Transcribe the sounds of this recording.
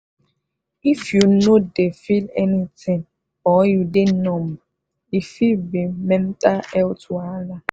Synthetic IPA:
ifjunodefilɛnitɪ̃ŋ | ɔjudɪnɔm̩ | ifibemẽm̩taɛlʊtʰʊala

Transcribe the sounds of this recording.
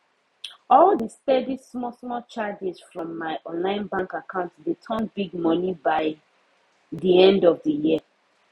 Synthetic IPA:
ɔlðəstɛdismɔsmɔlt͡ʃad͡ʒisfɹɔ̃mːaɪʔɔ̃nlãɪ̃nbãŋkakʰãʊ̃ntsdetʰɔ̃nbiɡ̚mɔnibaɪ | ðiɛ̃ndɔvðəjiə

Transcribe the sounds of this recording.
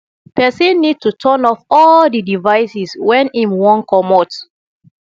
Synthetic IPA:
pɛsĩnːid̚tutʰɔnɔfɔldidivaɪsiswɛ̃nĩmwɔ̃nkʰɔmɔt

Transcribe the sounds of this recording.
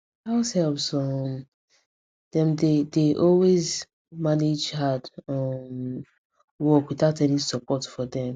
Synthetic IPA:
haʊshɛlpsɔm | d̥ɛ̃mdedeʔɔlwez | maned͡ʒhadɔ̃m | wɔkwiθaʊtɛlĩnsɔpʰɔtfɔdɛ̃m

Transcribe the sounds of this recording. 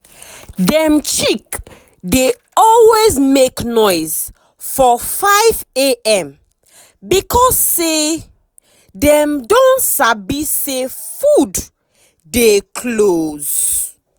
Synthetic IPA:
dɛ̃mt͡ʃik | de | ɔlwezmeknɔɪz | fɔfaɪveɛ̃m | bikɔsːe | dɛ̃mdõnsabise | fud | dekʰloz̥

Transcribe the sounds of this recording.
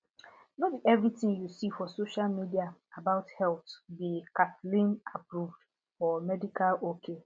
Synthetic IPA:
nodiʔɛvɹitɪ̃ŋjusifɔsoʃalmidiaabaʊthɛltbikatlĩnapɾuvd | fɔmɛdikalokʰe

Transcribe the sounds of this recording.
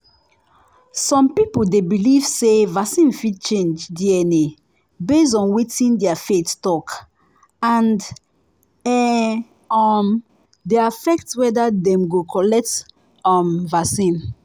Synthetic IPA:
sɔ̃mpipoldebiliv̥sevasĩnfid̚t͡ʃẽnd͡ʒdiɛne | bes̬ɔ̃nwitĩndɛafettɔk | ãn | ɛ | ɔm | deafɛk̚twɛdadɛ̃mɡokʰɔlɛk̚t | ɔmvasĩn

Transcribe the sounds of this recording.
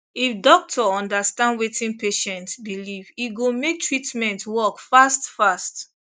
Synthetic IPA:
ifdɔk̚tʰɔɔ̃ndastãndwetʰĩnpeʃɛ̃ntsbiliviɡomek̚tʰɹitmɛ̃ntwɔkfastfast

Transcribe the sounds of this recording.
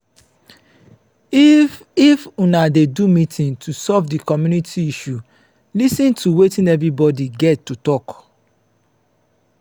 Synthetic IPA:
ifunadedumĩtʰĩntʰusɔvdikɔmjunitʰiiʃu | lisĩntʰuwetĩnɛvɹibɔdiɡɛtːutɔk

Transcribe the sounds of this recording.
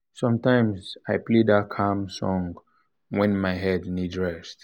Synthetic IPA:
sʌ̃mtãɪ̃mzaɪpledakʰamsɔ̃ŋ | wɛ̃nmaɪɦɛdnidɹɛst

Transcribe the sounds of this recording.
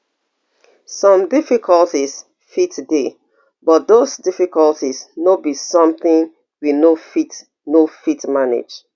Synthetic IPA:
sɔ̃mdifikʰɔltis | fitde | bɔt̚dosdifikɔlˠtisnobisɔ̃mθĩn | winofit | nofitmanḛd͡ʒ

